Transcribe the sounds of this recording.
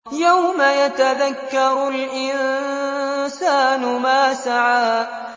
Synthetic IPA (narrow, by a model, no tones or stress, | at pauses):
jawmajat̪aðakːɑɾˤʊlʔɪn | saːnʊmaːsaʕaːʔ